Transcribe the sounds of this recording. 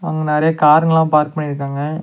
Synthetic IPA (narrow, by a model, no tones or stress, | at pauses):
ɐŋɡɐnɛːɾɐjɐkaːɾŋɡɐlãːpaːɾkpɐɳːɪɾɯkːaːŋɡɐ